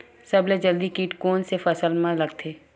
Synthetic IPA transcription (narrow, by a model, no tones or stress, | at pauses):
sɐbled͡ʒəld̪ikiːʈkoːnsefəsəlmãləɡt̪ʰeː